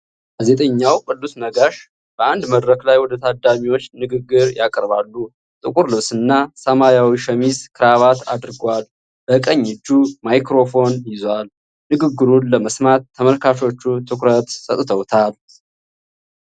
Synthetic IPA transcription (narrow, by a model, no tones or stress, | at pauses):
ɡ̥aze̞t̪ʼəɲːawkʼɨlːusnəɡaʃ | b̥əʔand̪məd̪ɾəklajwɔd̪ət̪ʰad̪amiwo̞t͡ʃːnɨɡɨɡːɨɾjakʼɾβalːu | t̪ʼɨkʼuɾlɨβsɨnːasəmajawiʃəmizkʰɨɾaβat̪a̰d̪ɨɾɡwal | bəkʼəɲːɪd͡ʒːumajkɾo̞fo̞njɪzwal | nɨɡɨɡːɨɾunləməsmat̪ʰːəməlkʰaʃo̞t͡ʃːut̪ʰɨkɾət̪sʼət̪ʼt̪ʰəwt̪ʰal